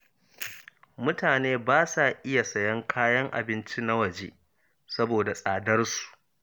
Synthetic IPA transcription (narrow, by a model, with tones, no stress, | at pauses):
mʊ˦taː˨neː˦baː˦sa˨ʔɪ˦ja˨sɐ˨jɐ˦ŋkʰaː˦jɐ˦ŋʔa̰˨bɪ˦nt͡ʃi˦na˦wɐ˨d͡ʒeː˦ | sɐ˦boː˨da˨sʼaː˨dɐ˦rsu̥˨ʔ